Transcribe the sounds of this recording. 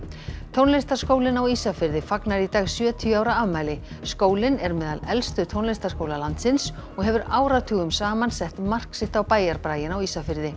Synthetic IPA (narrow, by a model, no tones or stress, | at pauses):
t̪ʰownlest̪ḁskoːwlɪnawiːsafɪɾðɪfaknaɾit̪aːɣsjœːt̪ʰiʏaːwɾaavmaːjlɪ | skoːwlɪnɛɾmɛːða̰lɛlst̪ʏt̪ʰownlest̪askoːwlalant̪sɪnsɔɣɦɛvʏɾaːwɾat̪ʰʏːɣʏmsaːmansɛht̪mar̥ksɪht̪awpaːjaɾpɾaːjɪnawiːsafɪɾðɪ